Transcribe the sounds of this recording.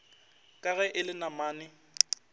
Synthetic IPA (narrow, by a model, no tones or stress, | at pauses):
kʼaɣɛʔɪlɪnamaːnɪ